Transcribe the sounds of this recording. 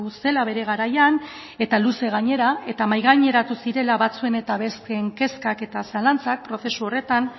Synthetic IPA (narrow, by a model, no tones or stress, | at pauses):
use̞laβe̞ɾe̞ɣaɾajan | e̞t̪aluse̞ɣ̞aɲe̞ɾae̞t̪amajɣaɲe̞ɾat̪usiɾe̞laβat͡sue̞ne̞t̪aβe̞st̪eŋke̞skake̞t̪asalant͡sak̚pɾo̞θe̞suo̞re̞t̪an